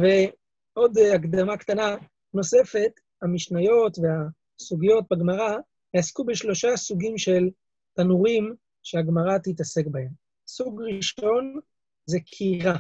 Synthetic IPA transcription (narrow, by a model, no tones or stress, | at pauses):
ve̞ | o̞d̪akd̪amakt̪ana | no̞se̞fe̞t̪ | hamiʃnajo̞t̪vea | suɡijo̞t̪̚baɡmaʁa | jeaskubeʃlo̞ʃasuɡimʃe̞l | t̪anuʁim | ʃeaɡmaʁat̪it̪ase̞kbahe̞m | suɡʁiʃo̞n | zekʰiʁa